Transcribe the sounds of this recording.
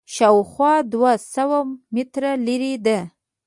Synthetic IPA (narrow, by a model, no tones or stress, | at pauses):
ʃɑwxwɑd̪wasawamit̪ɾaliɾed̪ə